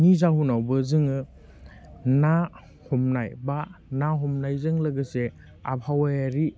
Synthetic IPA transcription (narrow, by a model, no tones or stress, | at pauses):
nizaɦunawbɯzɯŋɯ | na | hɔmnajbanaɦɔmnajzɯŋlɐɡɯse | a̰pʰawajaɾi